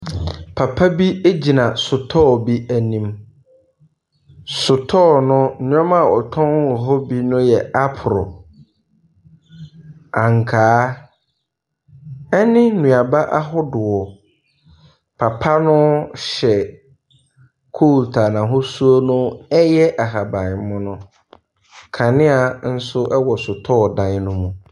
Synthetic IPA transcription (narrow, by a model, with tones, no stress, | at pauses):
pʰa˨pʰa˦bi˦e˦d͡ʑi˨nã˨sʊ˨tʰɔ˦˨bi˦ʔæ˨nĩ˦m | sʊ˨tʰɔː˦˨nʊ̃˦˨˦ã˦mã˨ɔ̰˨tʰɔ̃˦n˦ʊ˨ɦɔ˦bi˦nʊ̃˦jɛ˨a˦pʰʊ˨ɾɔ̰˨ | ã˨ŋ˨kʰaː˨˦ | ɛ˦nɪ̃˦nũ˨a˨ba˦ʔa˦ɦʊ˦dʊ˨ɔ˨ | pʰa˨pʰa˦nʊ̃˦ɕɛ˨ | kʰo˦˨ltʰa˨nã˨ɦʊ˦su˦o˦nʊ̃˦ɛ˦jɛ˦ʔa˨ɦa˨bã˨m˦mʊ̃˦nʊ̃˦ | kʰã˨nɪ̃˦a˨n̩˦sʊ˦ʔɛ˦wɔ˨sʊ˨tʰɔː˦˨dã˨ɲ˦nʊ̃˦mũ˨